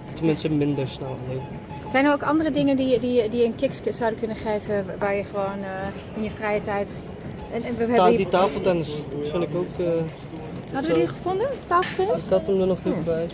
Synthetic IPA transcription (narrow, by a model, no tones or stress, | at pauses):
təmɪnstəmɪndəɹsnɛlˠleːvə | sɛjnərowkɑndərədɪŋəndiədijədijəənkɪkssawdəkønənχeːvəʋaːɹjəχəʋoːn | ɪnjəfrɛjətɛjt | ʔɛnʋəɛditaːfəl̩ˠtɛnəsfɪnɪkowkə | hɔdəʋədixəfʊndətaːfl̩ˠtɛnəatəmdənɔxnibɛj